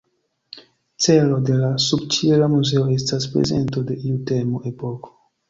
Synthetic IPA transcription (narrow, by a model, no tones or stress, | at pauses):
t͡se̞lo̞de̞lasubt͡ʃieɾamuze̞o̞e̞staspɾḛze̞̰nto̞de̞ʔiute̞moʔe̞po̞ko̥